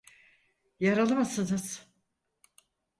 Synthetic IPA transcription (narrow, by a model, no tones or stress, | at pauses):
jaɾalˠɯmasɯnɯz̥